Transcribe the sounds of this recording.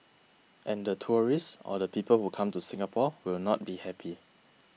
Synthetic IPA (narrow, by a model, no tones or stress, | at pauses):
ʔɛ̃ndətʰuɹissɔ̰dəpiːpəlhukʰãmtusɪ̃ŋapʰɔwɪlnɔt̚bihɛpʰi